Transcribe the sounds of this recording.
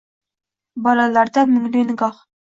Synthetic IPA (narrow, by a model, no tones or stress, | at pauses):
bɒlˠɑlˠɑɾd̪ɑmɵ̆ŋlenɡɑχ